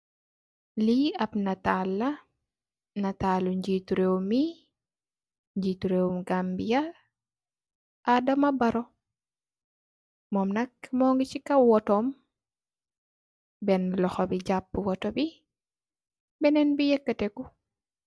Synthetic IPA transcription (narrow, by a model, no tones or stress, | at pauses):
liɐpnɐtalːɐ | nɐtaluɲɟituɾewumi | ɲd͡ʒituɾewumɡambija | adɐmɐbɐɾɔ | mɔmnɐkmɔŋɡit͡ʃikɐwɔtɔm | bɛnlɔxɔbiɟapːwɔtɔbi | bɛnɛnbijɛkːətɛku